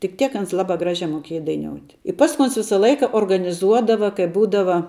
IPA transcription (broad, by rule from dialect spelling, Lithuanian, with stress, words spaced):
tʲɪk ˈtʲiɛk ˈɐns ˈlˠɑːbɑː ˈɡrɑːʒʲɛː moːˈkʲeːjɛ dɐɪˈnʲoːʊtʲ ɪ ˈpɑːskʊ ˈoːns ˈʋʲɪsɐ ˈlˠɐɪkɐ oːrɡɐnʲɪˈzuɔdɐʋɐ kɐɪ ˈbuːdɐʋɐ